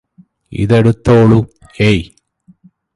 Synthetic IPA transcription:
ḭðeɽut̪ːoːɭu | ej

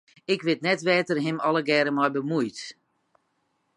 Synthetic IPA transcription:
ɪkʋɪtnɛtʋɛːtərɦɪmɔləɡɛːɾəmɔjbəmujt

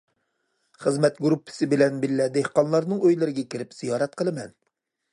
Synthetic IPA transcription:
χəzmɛt̪ɡɾupʰːɪ̥sɪbɪlɛnbɪlːɛd̪ehqɑnlˠɑɾnɨŋøjlɪɾɪɡʲɛkʲiɾɪpz̥ijɑːɾɛt̪̚qʰəlˠɨmɛn

